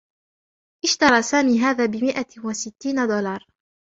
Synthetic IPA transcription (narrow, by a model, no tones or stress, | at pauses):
ʔɪʃt̪ɑɾˤɑːsaːmiːɦaːðaːbɪmɪʔawasɪt̪ːiːnad̪ʊlɑɾˤ